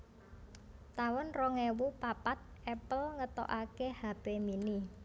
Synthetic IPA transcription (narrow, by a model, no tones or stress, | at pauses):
t̪awɔnrɔŋewupapat̪̚ʔɛpəlŋət̪o̰ʔakehab̥emini